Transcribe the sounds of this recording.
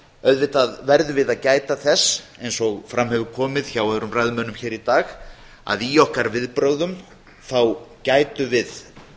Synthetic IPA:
œðvɪht̪aðvɛɾðʏvɪðaðcaːjt̪aθɛsejnsɔɣfɾamhɛvʏɾkʰɔːmɪðçawaðɛɾʏmrajðmœːnʏmçɛːɾit̪aːɣ | a̰ðiɔhkaɾvɪðpɾowðʏm | θawcaːjt̪ʏvɪð

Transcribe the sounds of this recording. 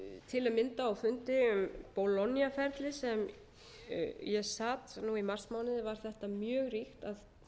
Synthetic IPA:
t̪ʰɪlaðmɪnt̪aːwfʏnt̪ɪʏmpɔlɔnːjafɛɾt̪lɪsɛm | jɛsaːt̪nuimar̥smaːwnɪðɪvaɾ̥θɛht̪amjœːɣrixt̪að

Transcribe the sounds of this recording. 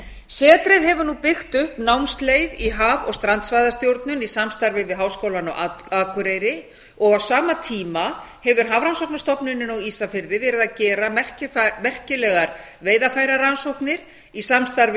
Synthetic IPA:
sɛːt̪ɾɪðɦɛvʏɾnupɪxt̪ʏhpnawmst̪lejðiɦaːvɔ̰ɣst̪ɾant̪svajðast̪jowɾt̪nʏnisamst̪aɾvɪvɪðɦaːwskoːwlanɔ̰ɣaaːkʏɾejɾɪ | ɔɣawsaːmat̪ʰiːmahɛvʏɾ̥ɦaːvɾansowknast̪ɔpnʏnːɪnɔɣiːsafɪɾðɪvɛːɾɪðacɛːɾamɛr̥cɪmɛr̥cɪlɛɣaɾveːjðafaːjɾaɾansowhknɪɾ̥ | isamst̪aɾvɪ

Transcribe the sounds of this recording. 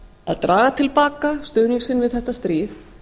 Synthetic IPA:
a̰ðt̪ɾʔaːɣat̪ʰɪlpaːkast̪œːwniŋksɪnvɪðθɛht̪ːast̪ɾiːθ

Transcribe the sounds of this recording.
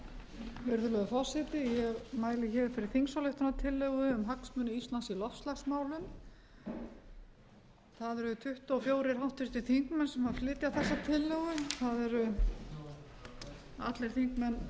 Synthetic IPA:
ʏɾðʏlɛɣʏfɔr̥sɛt̪ɪjɛɣmaːjlɪçɛːðfɪɾɪɾ̥θiŋsalʏht̪anat̪ʰɪlːœɣʏʏmɦaksmʏnːʏist̪lansilɔfst̪laxsmaːwlʏm | θaðɛɾʏt̪ʰʏht̪afjoːwɾɪɾawht̪ʏst̪ɪθiŋkmɛnsɛmhaðflɪːt̪jaðθɛsːat̪ʰɪlːœɣʏθaðɛɾʏ | a̰t̪lɛɾ̥θiŋkmɛn

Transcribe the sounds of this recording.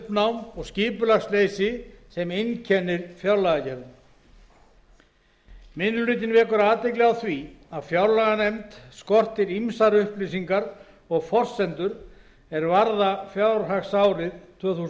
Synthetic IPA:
pnawmɔɣsciːpʏlaxsleːjsɪsɛmejncʰɛnːɪɾfjawɾlaɣacɛɾðʏ | mɪnːʏlʏːt̪̬ɪnvɛːkʏɾaːt̪ːeklɪɣawθviaðfjawɾlaɣanejmt̪skɔr̥t̪ɪɾimsaɾʏhplisiŋkaɾ | ɔɣfɔr̥sɛnt̪ʏɾ | ɛɾvaɾðafjawɾ̥ɦaxsawɾɪðt̪ʰv̥œːθus

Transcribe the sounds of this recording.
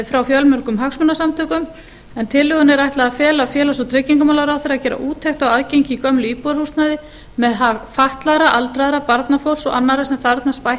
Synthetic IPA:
fɾawfjœlmʏɾkʏmɦaksmʏnasamt̪ʰœːkʏm | ɛnt̪ʰɪlːʏɣʏnɛɾajht̪laðafjɛːlafjɛːlasɔt̪ʰɾɛciŋkʏmawlaɾawθeɾacɛːɾa̰ʔuːt̪ʰejxt̪awaðcejɲcɪːkœmlʏiːpuðɾhust̪naðɪ | mɛðɦafaht̪laɾaʔalt̪ɾaðɾapaɾt̪nafowlsɔ̰ɣa̰nːaɾasɛmθaɾt̪naspaj

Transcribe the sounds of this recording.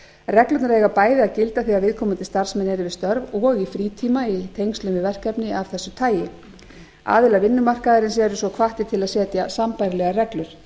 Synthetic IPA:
rɛklʏt̪naɾɛjɣapaːjðɪaðcɪlt̪aθiavɪðkʰɔmant̪ɪ̥st̪ar̥smɛnːɛɾɪvɪðst̪œɾvɔɣifɾiːt̪ʰiːmait̪ʰejŋst̪lʏmɪvɛr̥kɛpnɪav̥θɛsːʏt̪ʰaːjɪ | a̰ːðɪlavɪnːʏmar̥kaðaɾɪnsɛɾʏsvɔkʰvaht̪ɪt̪ʰɪlaðsɛːt̪jasampajɾɪlɛɣarɛklʏɾ̥

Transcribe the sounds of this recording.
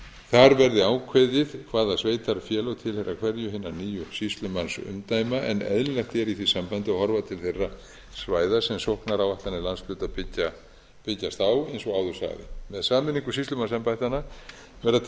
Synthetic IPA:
θaɾvɛɾðɪaːwkʰvɛːðɪðkʰvaːðasveːjt̪aɾfjɛːlɔwt̪ʰɪlhejrːakʰvɛɾjʏɦɪnːaniːjʏsist̪lʏmansʏ̰mt̪aːjmaʔɛ̰nɛ̰ðllɛht̪ɛɾiθisampant̪ɪahɔɾvat̪ʰɪlθerːa | svaːjðasɛmsohknaɾawaht̪anːɪlansflʏːt̪apɪcːa | pɪcːast̪awejnsɔɣaːwðʏ̥sa̰ɣðɪ̰mɛðsaːmɪniŋkʏsist̪lʏmansɛmpajht̪ana | vɛɾða

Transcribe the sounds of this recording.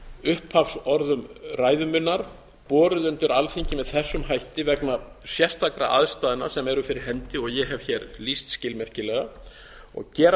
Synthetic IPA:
ʏhphafsɔɾðʏmraːjðʏmʏnːaɾ̥ | pɔːɾʏðʏnt̪ʏɾalθiɲcɪmɛðθɛsːʏmɦajht̪ɪvɛkna | sjɛr̥t̪ʰakɾa̰ʔa̰ðst̪aːðɪna̰sɛmɛɾʏfɪɾɪɾ̥ɦɛnt̪ɪɔɣjɛɦɛv̥çɛɾlist̪scɪlmɛr̥cɪlɛɣa | ɔ̰ɣcɛːɾ

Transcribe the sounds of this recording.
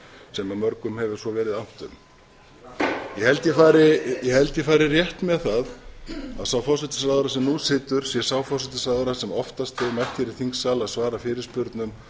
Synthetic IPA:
sɛmamœɾkʏmhɛvʏ̥svɔvɛːɾɪðam̥t̪ʏm | jɛhɛlt̪jɛfaːɾɪjɛhɛlt̪jɛfaːɾɪrjɛht̪mɛðθaðaðsaːwfɔwsɛt̪ɪ̥saːðʏɾasɛmnusɪːt̪ʏɾ̥sjɛsaːwfɔwsɪt̪ɪsaːðɾasɛmɔft̪ast̪vɪmajht̪ɛɾɪ̥θiŋksaːlaðsvaːɾafɪːɾɪɾ̥spʏɾt̪nʏm

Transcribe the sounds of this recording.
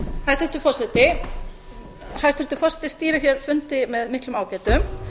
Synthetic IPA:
hajst̪ɛ̥t̪ʏfɔr̥sɛt̪ɪ | hajst̪ɪ̥ɾt̪ʏ̥fɔr̥sɛ̥t̪ɪ̥st̪iːɾaçjɛɾ̥fʏnt̪ɪmɛðmɪhklʏmaːwcɛːjt̪ʏm

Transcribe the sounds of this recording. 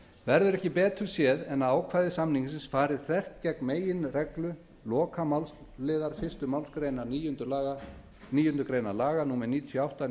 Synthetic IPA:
vɛɾðʏɾɛhcɪpɛːt̪ʏɾsjɛːðɛnaðaːwkʰvaːjðɪsamniɲsɪnsfaːɾɪðθɛr̥t̪cɛknmeːjɪnrɛklʏ | lɔːkʰamals | lɪːðaɾ̥fɪst̪ʏmawlskɾeːjnanijʏnt̪ʏlaːɣa | niːjʏnʏɾkɾeːjnalaːɣanuːmɛniːt̪ʰjɔawht̪a

